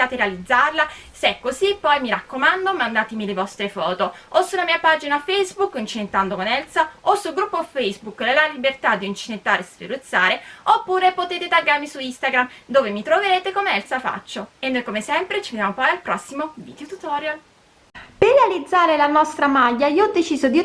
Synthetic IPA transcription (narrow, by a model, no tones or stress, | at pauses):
aːt̪eɾealid̪zːarlasɛkːozipːɔjmiɾakːomand̪omand̪aːt̪emilevɔst̪ɾefɔːt̪oosulamiːapad͡ʒinafɛjzbukːint͡ʃinet̪ːand̪okonɛlsaosːulɡɾupːofɛjzbukːlelalibert̪ad̪ːiːnt͡ʃinet̪ːaːɾesfḛɾut̪sːaːɾeopːuːɾepot̪eːt̪et̪aɡːarmisuist̪aɡɾamd̪oːvemit̪ɾoveɾeːt̪ekomeɛlsafa̰t͡ʃːoenːojkomesɛmpɾet͡ʃived̪jamopɔjalpɾɔsːimovḭd̪̥eot̪ut̪ɔɾjal | perːealid̪zːaːɾelanɔst̪ɾamaʎːaiːɔd̪ːet͡ʃiːzod̪i